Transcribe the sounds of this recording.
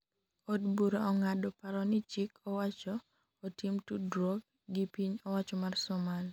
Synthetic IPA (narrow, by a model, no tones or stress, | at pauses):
ɔdbuɾaɔŋadɔpaɾɔnɪt͡ʃikʰɔwat͡ʃɔː | timtudɾɔɡ̚ | ɡipiɲɔwat͡ʃɔmarsɔmal